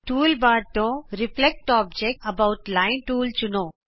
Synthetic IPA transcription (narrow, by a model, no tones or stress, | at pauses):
ʈuːlbaːd̪̚t̪õɾɪflɛk̚ʈɔːbd͡ʒɛk̚ʈɐbaʊʈlaːɪ̃nʈuːlt͡ʃʊnõː